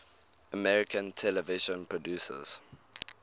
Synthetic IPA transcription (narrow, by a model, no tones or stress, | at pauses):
əmɛɹɪkʰə̃ntʰɛləvɪʒə̃npʰɹɔdjuːsə̰z̥